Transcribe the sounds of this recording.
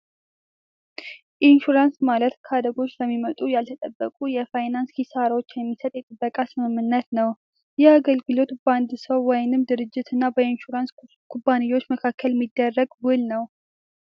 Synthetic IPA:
ʔinʃuɾansmalət̪kʰad̪əɡo̞t͡ʃːləmːimət̪ʼujalt̪ʰət̪ʼəbːəkʼujɛfajnanshisaɾot͡ʃːjɛmːisət̪ʼjɛt̪ʼɨbːəkʼasɨmɨmːɨnːət̪nəw | jɛaɡəlɡɨlo̞t̪bəand̪ɨsəwːɔjnɨmd̪ɨɾɨd͡ʒːɪt̪ɨnːabəinʃuɾans | kʰubːanijo̞t͡ʃːməkʰakʰːəlmːid̪ːərːəɡwɨlnəw

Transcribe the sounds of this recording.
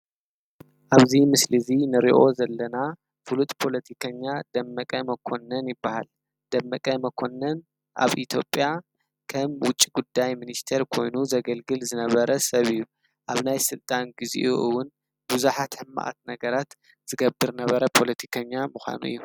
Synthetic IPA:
ʔaβzimɨslɨzinɨɾiʔo̞zɐlːɐna | fɨlut̪pʰo̞lɐt̪ʰikʰɐɲːad̪ɐmːɐkʼɐmɐkʰo̞nɐnjɪbːaha̰l | d̪̥ɐmːɐkʼɐmɐkʰo̞nːɐn | ʔa̰βʔit̪ʰjo̞pʼja | kʰɐmwʊt͡ʃʼːiɡud̪ːajminist̪ʰeɾkʰo̞jnuzɐɡɐlɡɨlzɨnɐβɐɾɐsɐβɨjːu | ʔaβnajsɨlt̪ʼanɡizḭʔuʔɨwːʊn | buzuħat̪ħɨmːa̰ʔa̰t̪nɐɡɐɾat̪ | z̥ɨɡɐbːɨɾnɐβɐɾɐpʰo̞lɐt̪ʰi̥kʰɐɲːamuxʷa̰nṵʔɨ̰jːu

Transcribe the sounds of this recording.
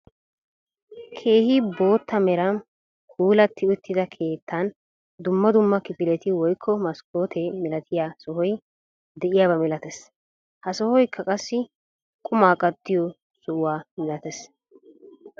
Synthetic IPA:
kʰe̞ːhibo̞ːt̪ːɐmɛɾɐm | huːlɐt̪ːɪʊt̪ʰːɪd̪ɐkʰe̞ːt̪ʰːɐn | d̪ʊmːɐd̪ʊmːɐkɪpɪlɛt̪ɪwɔjkʰːɔmɐskʰoːt̪ʰɛmɪlɐt̪ʰɪjaːsɔɦɔj | d̪ɛʔɪjaːbɐmɪlɐt̪ɛs | hɐsɔhɔjkʰːɐkʼɐsːɪ | kʼʊmaːkʼɐd̪ːɪjɔ | sʊwaːmɪlɐt̪ɛs

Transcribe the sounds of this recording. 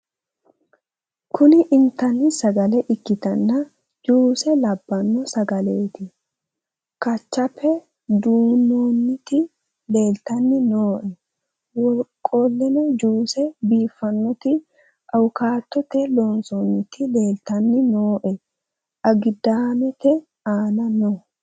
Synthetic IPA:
kʰʊnɪʔɪnt̪ɐnːɪsɐɡɐlɛʔɪkːɪt̪ɐnːɐ | d͡ʒuːsɛlɐbːɐnːɔsɐɡɐle̞ːt̪ɪ | kɐt͡ʃːɐpːɛ | d̪uːnoːnːɪt̪ɪ | le̞ːlt̪ɐnːɪnoːʔɛ | wɔlkʼːoːlːɛnɛd͡ʒuːsɛbiːfːɐnːɔt̪ɪ | ʔɐwʊkaːt̪ːɔt̪ɛlo̞ːnsoːnːɪt̪ɪle̞ːlt̪ɐnːɪnoːʔɛ | ʔɐɡɪd̪aːmɛt̪ɛ | aːnɐnɔ

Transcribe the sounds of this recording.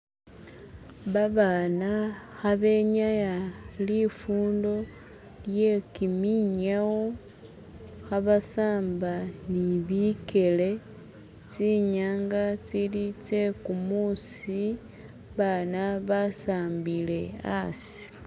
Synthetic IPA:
βaβaːnaxaβe̞ɲajalifuːndo̞ | lje̞kimiɲawo | xaβasaːmbaniβike̞le̞ | t͡siɲaːŋɡat͡silit͡se̞kumusi | βanaβasaːmbile̞a̰si̥

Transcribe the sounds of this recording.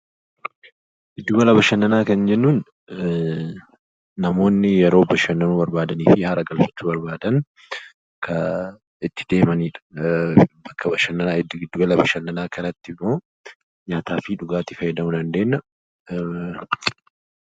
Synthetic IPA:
ʔɪd̪ːʊɡɐlɐbɐʃɐnːɐnaːkɐnd͡ʒɛnːuːn | ɐmo̞ːnːɪjɛɾo̞ːbɐʃɐnːɐnuːbɐɾbaːd̪ɐniːfɪhaɾɐɡɐlfɐ̥t͡ʃːʊbɐɾbaːd̪ɐn | kʰɐ | ɪt̪ːɪ̥d̪e̞ːmɐniːᶑɐ̥ | bɐkːɐbɐʃɐnːɐnaɪd̪ɪd̪ːʊɡɐlɐbɐʃɐnːɐnaːkɐnɐt̪ːɪmːo̞ː | ɲaːt̪aːfiᶑʊɡaːt̪ɪfɐjɛd̪ɐmʊnɐnd̪e̞ːnːɐ

